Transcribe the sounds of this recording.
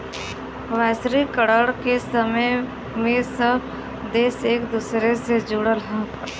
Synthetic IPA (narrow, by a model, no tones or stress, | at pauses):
ʋɛːsɾikəɽəɽkesəməj | mẽsəb | d̪eːseːkd̪uːsɾesed͡ʒuːɽəlɦã